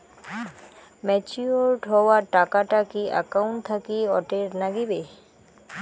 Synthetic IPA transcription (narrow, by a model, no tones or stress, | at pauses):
mɛt͡ɕioɾʈɦɔwaʈakaʈakia̰kawɳʈt̪ʰakiɔ̰ʈeɾnaɡibe